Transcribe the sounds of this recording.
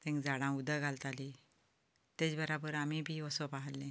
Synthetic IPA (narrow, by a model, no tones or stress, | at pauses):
t̪ɛ̃ŋkd͡zaɽãud̪əɡʱalt̪aliː | t̪et͡sbəɾabəɾam̤ibʱiːɔsɔpaɦəllẽ